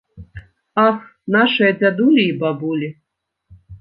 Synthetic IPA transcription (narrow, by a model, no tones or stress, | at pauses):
axnaʂɨjɐd͡zʲad̪ulʲiːbabulʲi